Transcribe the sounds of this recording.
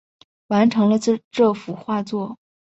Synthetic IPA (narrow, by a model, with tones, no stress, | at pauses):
wa˧˥nʈ͡ʂʰɤ˧˥ŋlə˧ʈ͡ʂʈ͡ʂɤ˥˩fu˨˩xwa˥˧t͡swɔ˥˩